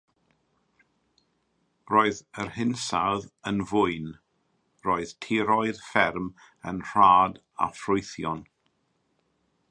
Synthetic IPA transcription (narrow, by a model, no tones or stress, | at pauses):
roːɨðərhɪnsaðənvʊɨn | roːɨðtʰiɾɔɨðfɛrm | ənr̥aːd | a̰frʊɨθjɔn